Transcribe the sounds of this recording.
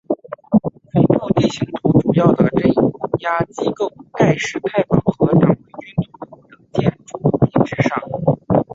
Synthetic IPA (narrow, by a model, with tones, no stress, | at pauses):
fə˧˩np̪ʰu˥t̪i˥˩ɕi˧˥ŋt̪ʰu˧˥ʈ͡ʂu˨˩jɑ˥˩ʊd̪ə˩ʈ͡ʂə˥˩n˨˧˥ja˥t͡ɕi˥ko˥˩ʊt̪a˥˧ɪʂɻ̩˥˧t̪ʰa˥˩ɪfɑ˨˩ŋxɤ˧˥t̪ɑ˨˩ŋwe˧˥ɪt͡ɕy˥nt̪ʰʊ˨˩ŋt̪t̪ɤ˧˥ŋt͡ɕjɛ˥˩nʈ͡ʂu˥˩˧t͡ɕi˥˩ʈ͡ʂɻ̩˥˧ʂɑ̰˥˩ŋ